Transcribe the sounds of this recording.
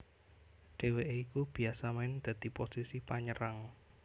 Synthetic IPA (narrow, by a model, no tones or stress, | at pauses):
ɖ̥e̤weʔeikub̥i̤asamaɪnd̪̥ä̤d̪̥i̤posisipaɲəɾaŋ